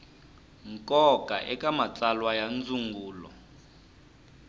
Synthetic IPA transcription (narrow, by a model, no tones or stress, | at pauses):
ŋkʼɔkʼa̰ʔɛkʼamat͡sʼalwajand͡zʱuŋɡuːlɔ̰